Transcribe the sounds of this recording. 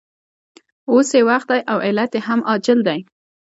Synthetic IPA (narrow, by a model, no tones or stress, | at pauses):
osewaxt̪̚d̪ajʔawɪlat̪jehamɑd͡ʒɪld̪aj